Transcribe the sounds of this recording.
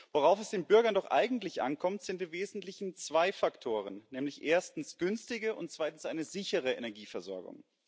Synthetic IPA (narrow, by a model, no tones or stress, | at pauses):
voʁaʊfɛsd̥eːnbʏɐɡɐndɔχʔa̰ɪɡŋ̩tlɪçʔa̰nkʰɔmtz̥ɪntdiːveːzn̩tlɪçn̩t͡sv̥aɪfaktʰoːʁənːɛːmlɪçʔeːɐstn̩sɡ̥ʏnstɪɡəʔʊ̰ntt͡sv̥aɪtn̩sʔaɪnəzɪçəʁəḛnɛɐɡiːfɛɐzɔ̰ɐɡʊ̰ŋ